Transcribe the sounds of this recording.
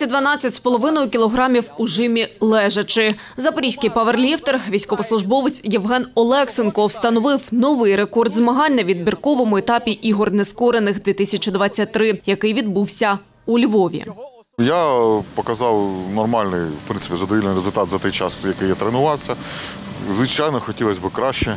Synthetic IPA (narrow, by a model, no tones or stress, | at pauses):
id̪ʋɐnɑt͡sʲːɐtʲspɔlˠɔʋɪnɔjʊkʲilˠɔɦɾɑmʲiwuʒɪmʲilˠɛʒɐt͡ʃɪ | zɐpɔɾʲijsʲkɪjpɐʋerlʲift̪erʋʲijsʲkɔʋɔslˠʊʒbɔʋɪt͡sʲjɛʋɦɛnɔlˠɛksɪnkɔwst̪ɐnɔʋɪwnɔʋɪjɾe̞kɔrd̪zmɐɦɑnʲnɐʋʲid̪bʲirkɔʋɔmʊɛt̪ɑpʲiʔiɦɔrneskɔɾenɪxd̪ʋʲit̪ɪsʲɐt͡ʃid̪ʋɑt͡sʲːɐt̚ʲt̪ːɾɪjɐkɪjʋʲid̪buwsʲɐ | ulʲʋɔʋʲḭ | japɔkɐzɑwnɔrmɑlʲnɪjʋpɾɪnsɪ̥pʲizɐd̪ɔʋilʲnɨɾezʊlʲt̪ɑt̪zɐt̪ɛjt͡ʃɑsjɐkɪjɛt̪ɾenʊʋɑt̪sʲːɐ | zʋɪt͡ʃajnɔxɔtʲilˠɐsʲbɨkɾaʃt͡ʃɛ